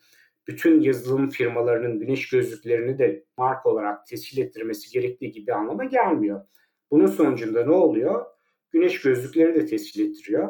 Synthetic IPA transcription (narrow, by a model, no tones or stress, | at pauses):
b̥yt̪ʰynjazɯlˠɯmfiɾmalˠaɾɯnɯnɟynɛʃɟ̥ø̞zlʲycʲlʲe̞ɾinid̪ɛmaɾkʰo̞lˠaɾak̚t̪ʰɛsçilʲɛt̪ʰːiɾme̞siɟe̞ɾɛc̚t̪ʰiːɟibianlˠamaɟælʲmijo | b̥ununso̞nud͡ʒund̪anɛolˠujo̞ | ɟ̥ynɛʃɟø̞zlʲycʲlʲe̞ɾinid̪ɛt̪ʰɛscilʲɛt̪ʰːiɾijo